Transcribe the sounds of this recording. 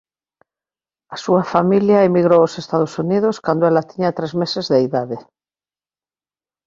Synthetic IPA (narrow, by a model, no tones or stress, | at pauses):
asuafamiljaemiɣɾoosest̪aðosuniðoskand̪oelat̪iɲat̪ɾezmesezðeiðaðe